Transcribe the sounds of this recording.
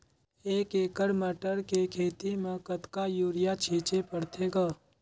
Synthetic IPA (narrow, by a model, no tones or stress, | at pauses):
eːkeːkəɽməʈəɾkekʰeːt̪imẽkət̪kajuːɾɪjat͡ʃʰiːt͡ʃepəɽt̪ʰeːɡaː